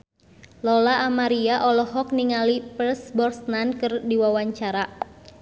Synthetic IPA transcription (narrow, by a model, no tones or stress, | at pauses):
lɔlaʔːmaɾiaʔɔlɔhɔk̚niŋalipəsbɔrsnankɨrdiwawaɲt͡ʃaɾa